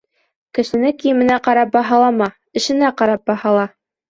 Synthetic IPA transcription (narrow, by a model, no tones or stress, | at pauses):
kɘ̆ʃɘ̆nɘkijɘ̆mɘ̆næqɑɾɑp̚bɑɦɑlˠɑmɑ | ɘ̆ʃɘ̆næqɑɾɑp̚bɑhɑlˠɑ